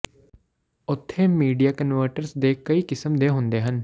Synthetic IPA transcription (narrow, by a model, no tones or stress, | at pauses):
ʊt̪ʰːeːmiːɖijaːkənʋəːɾʈəɾsd̪eːkəiːkɪsəmd̪eːɦʊ̃nd̪eːɦən